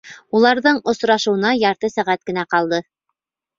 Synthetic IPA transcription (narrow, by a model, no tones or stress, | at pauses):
ulˠɑɾðɤɴŏsɾɑʃŭw̆nɑjɑɾt̪ɤsæʁæt̪̚kɘ̆næqɑlˠd̪ɤ